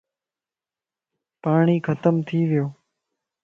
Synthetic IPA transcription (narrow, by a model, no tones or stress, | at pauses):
paːɳiːkʰət̪əmt̪ʰiːʋɪjoː